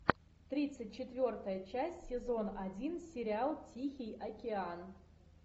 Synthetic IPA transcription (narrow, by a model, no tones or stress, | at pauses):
t̪ɾʲit̪sɨtʲt͡ɕɪt̪vʲort̪əjət͡ɕæsʲsʲɪzo̞nɐdʲinsʲɪɾʲɪalˠtʲixʲɪjɐkʲɪan